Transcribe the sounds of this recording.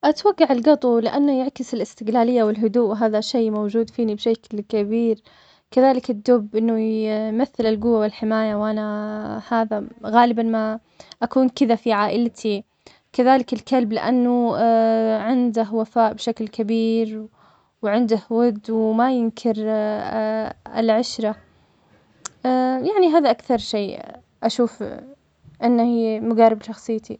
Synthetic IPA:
ʔat̪waɡːaʕɪlɡɑt̪ˤulɪʔanːʊjɪʕkɪsɪlɪst̪ɪɡlaːlɪjːawɪlɦʊd̪uːʔwɦaːðaʃeːmowd͡ʒuːd̪fiːnibʃaklkabiːɾ | kaðaːlɪkɪd̪ːʊbːʔɪnːʊjmaθːɪlɪlɡʊwːawɪlħɪmaːjawʔanahaːðaɣaːlɪbanma | ʔakuːnkɪðafiʕaːʔɪlt̪ʰi | kaðaːlɪkɪlkalblɪ̰ʔanːʊ | ʕɪnd̪ɪhwafaːʔbʃaklkabiːɾ | wʕɪnd̪ɪhwʊd̪ːwmajɪnkʰɪɾ | ɪ̰lʕaɪʃɾa | jaʕniɦaːðaʔakθɑɾˤʃeː | ʔaʃuːf | ʔɪnːahimʊɡarɪbʃɑxsˤɨjːt̪i

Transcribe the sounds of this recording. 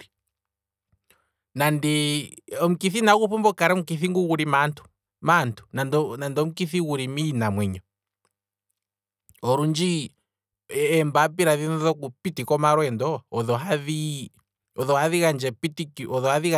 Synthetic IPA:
i | nandɛɔm̩kiθinakuɸumbɔkaɾɛm̩kiθiŋɡuɣuɾimantʰu̥ | mantʰu̥nadnandɔm̩ukiθiɣuɾiminamwɛɲɔ | ɔɾund͡ʒi | ɛmbap̬iɾaðinɔðɔkupitikɔmaɾwɛndɔːðɔɦaði | ɔðɔhaðiɣand͡ʒɛpitikiɔðɔhaðiɣa

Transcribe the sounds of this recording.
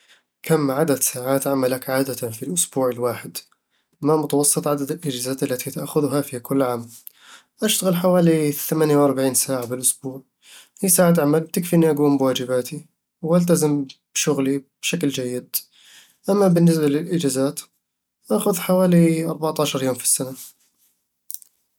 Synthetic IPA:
kʰamːʕad̪ad̪saːʕaːt̪ʕamalakʕaːd̪afilʔʊsbuːʕɪlwaːħɪd̪ | mamʊt̪wɑsˤːɨt̪ˤʕad̪ad̪ɪlʔɪd͡ʒaːzaːt̪ʔalːat̪ʰit̪aʔxʊðʊɦafikʰʊlːʕaːm | ʔaʃt̪aɣɪlħawaːliθamaːnjawʔɑɾˤbaʕiːnsaːʕabɪlʔʊsbuːʕ | hiːsaːʕat̪̬ʕamalb̚t̪ɪkfiʔɪnːiʔaɡuːmbwaːd͡ʒɪbaːt̪ʰi | wʔalt̪̬azɪmbʃʊɣlib̥ʃakld͡ʒajːɪd̪̚ | ʔamːabɪnːɪs̬balɪlʔɪd͡ʒazaːt̪ | ʔaxʊðħawaːliʔɑɾˤbaʕt̪ˤɑːʃɑɾˤjoːmfi̥sːana

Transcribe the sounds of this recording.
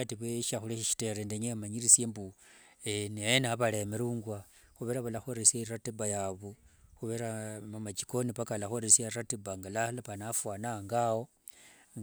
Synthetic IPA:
atiβweʃaxuleʃiʃi̥te̞ɾendeɲemaɲirisjembu | enijenaβale̞meɾuːŋɡwa | xuβeɾaβalaxoɾesaratebajaβoxuβeɾamamat͡ʃi̥ko̞nipakalaxoɾesiaratibaŋɡalalapanafwaːnaŋɡawo

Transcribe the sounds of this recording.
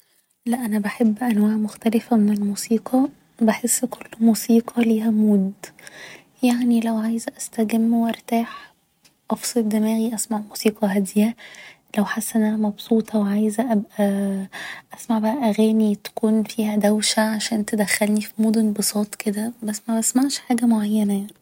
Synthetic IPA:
læʔænæbeħebːʔænwæːʕmoxt̪ælefæmenelmusiːqʰɑ | beħesːkolːmuːsiːqʰɑliːhæmoːd̪ | jaʕnilæwʕaːjzʔæst̪æɡæmːweʔɑɾˤt̪aːħ | ʔɑfsˤed̪emæːɣiʔæsmaʕmuːsiːqʰɑɦæd̪jæ | læwħasːʔenʔænæmɑbsˤuːt̪ˤɑweʕajzʔæbʔæ | ʔæsmaʕbæʔæʔæɣæːnit̪æ̥kuːnfiːhæd̪æwʃæʕaʃæːnt̪ed̪æxːælnifimoːd̪onbosˤɑːt̪ˤked̪æbæsːmæbæsmaʕʃħaːɡæmoʕajːænæjaʕni̥

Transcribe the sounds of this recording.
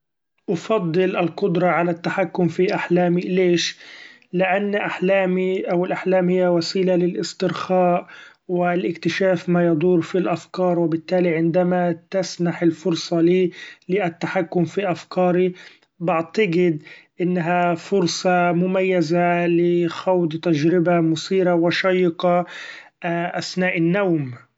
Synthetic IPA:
ʔɑfɑd̪ˤːɨlʔalqʊd̪ɾˤɑʕalat̪ːaħakːʊmfiʔaħlaːmileːʃ | lɪʔanːʔaħlaːmiʔawɪlʔaħlaːmhɪjːawasiːlalɪlʔɪst̪ɪɾxaːʔ | wɪlʔɪkt̪ɪʃaːfmajɑd̪ˤuːɾfilʔafkɑːɾˤwɪbɪt̪ːaːliʕɪnd̪amat̪asnaħɪlfʊɾsˤɑliːlɪʔat̪ːaħakːʊmfiʔafkɑːɾi | bɪʕt̪aɡɪd̪ʔɪnːaɦafʊɾsˤɑmʊmajːazalɪxawd̪t̪ad͡ʒɾɪbamʊsiːɾawɪʃɑjːɪqɑ | ʔasnaːʔɪnːawm

